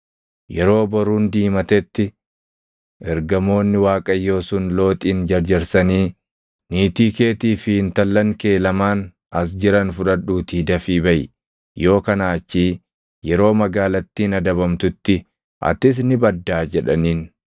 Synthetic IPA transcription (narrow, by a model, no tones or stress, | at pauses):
jɛɾo̞ːbɐɾuːnd̪iːmɐt̪ɛt̪ːɪ | ʔɛɾɡɐmo̞ːnːɪwaːkʼɐjːo̞ːsʊnlo̞ːt̪ʼiːnd͡ʒɐɾd͡ʒɐɾsɐniː | niːt̪iːke̞ːt̪iːfɪhɪnt̪ɐlːɐŋke̞ːlɐmaːn | ɐs̬d͡ʒɪɾɐnfʊᶑɐᶑuːt̪iːd̪ɐfiːbɐʔɪ̰ | jo̞ːkɐnaːt͡ʃːiː | jɛɾo̞ːmɐɡaːlɐt̪ːiːnɐd̪ɐβɐmt̪ʊt̪ːɪ | ʔɐ̰t̪ɪs̬nɪbɐd̪ːaːd͡ʒɛᶑɐniːn